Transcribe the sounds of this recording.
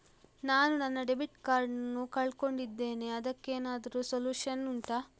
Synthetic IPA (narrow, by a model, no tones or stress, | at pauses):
naːnunɐnːɐɖebiʈkaːɾɖɐnːukɐɭko̞ɳɖid̪ːe̞ːne̞ɐd̪ɐkːeːnaːd̪ɐɾusoljuːʂɐnːuɳʈa